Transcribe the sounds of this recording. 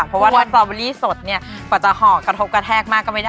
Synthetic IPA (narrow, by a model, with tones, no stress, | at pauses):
pʰɔ˦mwaː˥˩aː˧˥˩ŋsɔː˧˩be˧liː˥˩so˨˩t̪̚ni˥˩ɐkɔː˨˩t͡ɕa˨˩hɔː˩˦kɾa˧t̪ʰo˦˥p̚ka˧t̪ʰɛː˥˩k̚maː˥˩kːɔː˥˩ma˥˩a